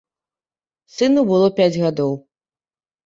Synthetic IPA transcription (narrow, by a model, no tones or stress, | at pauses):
sɨnubɨlˠɔpʲad͡zʲɣad̪ɔw